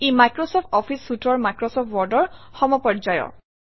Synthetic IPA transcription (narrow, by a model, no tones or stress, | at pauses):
emajkɹɔsɔp̚ʰtɔpʰisːutʰɔɹmajkɹɔsɔp̚ʰwɔɹdɔɹxɔmɔpɔd͡ʒajɔ̰